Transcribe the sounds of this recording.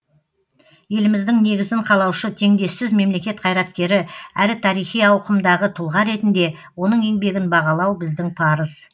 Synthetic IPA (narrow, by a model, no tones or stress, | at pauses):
je̞lɪmɪzd̪ɪŋne̞ɡʲɪzɪɴqʰɑlˠɑwʃət̪ʰe̞ŋd̪e̞sːɪzme̞mle̞kʲe̞t̪̚qʰɑjɾɑt̪kʲe̞ɾɪæɾɪt̪ʰɑɾijχijɑwqəmd̪ɑʁət̪ʰʊlˠʁɑɾe̞t̪ɪnd̪e̞wo̞nəɴe̞ŋbe̞ɡʲɪnbɑʁɑlˠɑwbɪzd̪ɪŋpʰɑɾəz̥